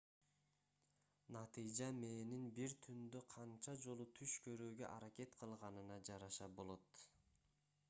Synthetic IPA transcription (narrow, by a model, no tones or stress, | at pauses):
nɑt̪ɨjd͡ʒɑme̞ːninbiɾt̪ʰynd̪øqʰɑnt͡ʃɑd͡ʒo̞lˠut̪ʰyʃkʰø̞ɾøːɡø̰ʔɑɾɑke̞t̪qʰɯlˠʁɑnɯnɑd͡ʒɑɾɑʃɑbo̞lˠo̞t̪